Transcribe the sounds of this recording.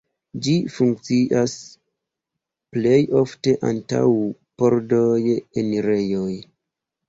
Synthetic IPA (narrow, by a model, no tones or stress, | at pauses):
d͡ʒifuŋk̚t͡siʔas | ple̞jo̞fte̞ʔa̰nta̰w | po̞ɾdojenɾe̞joj